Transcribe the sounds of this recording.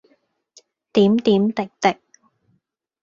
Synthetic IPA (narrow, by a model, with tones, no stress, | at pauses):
t̪iː˨˥mt̪iː˨˥mt̪ɪ˨k̚t̪ɪ˨k̚